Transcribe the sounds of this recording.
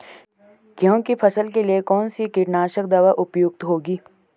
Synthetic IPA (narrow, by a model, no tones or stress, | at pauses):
kjõːkipʰɐsəlkeliekɔːnsikɪʈnaːʃək̚d̪aːʋaʔʊpjʊɡ̚t̪ɦoːɡiː